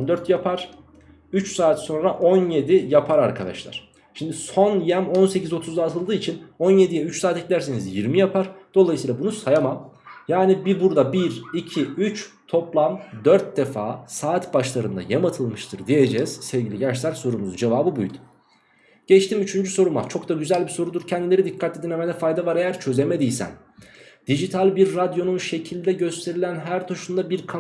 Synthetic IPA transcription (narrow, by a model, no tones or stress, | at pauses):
nd̪øɾt̪japʰaɾ̥ | yt͡ʃsaːt̪so̞nɾaʔo̞nje̞d̪ijapʰaɾaɾkʰad̪a̰ʃlˠa̰ɾ̥ | ʃimd̪iso̞njæmo̞nsecizo̞t̪ʰuzd̪aːt̪ʰɯlˠd̪ɯːit͡ʃʰino̞nje̞d̪ijɛyt͡ʃsaːt̪ɛclʲæɾse̞nizjiɾmijapʰaɾ̥d̪̥o̞lˠajsiːlˠabunusajamamjaːnibibuɾd̪abiɾicʰiyt͡ʃt̪ʰo̞plˠamd̪øɾt̪̚d̪e̞faːsaːt̪baʃlˠaɾɯnd̪a̰jamat̪ʰɯlˠmɯʃt̪ʰɯɾd̪ije̞d͡ʒɛz̥sɛvɟilʲiɟɛɾʃsælʲso̞ɾumuzud͡ʒe̞vaːbɯbujd̪u̥ | ɟ̥ɛt͡ʃt̪ʰimyt͡ʃʰynd͡ʒyso̞ɾuma̰t͡ʃʰo̞kd̪aɟyzælʲbiso̞ɾud̪uɾcʰɛnd̪ilʲe̞ɾid̪ikʰːat̪ʰlʲid̪inemed̪ɛfajd̪avaɾe̞jæɾt͡ʃʰø̞zemed̪ijʲsæ̰n | d̪̥id͡ʒit̪ʰalʲbiɾːad̪jo̞nunʃe̞cʰilʲd̪ɛɟø̞st̪ʰe̞ɾilʲænɦæɾt̪ʰuʃund̪abiɾkʰa